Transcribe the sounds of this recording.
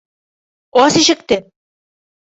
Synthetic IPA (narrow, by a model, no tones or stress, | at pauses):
ɒsiɕɘ̆k̚t̪ɘ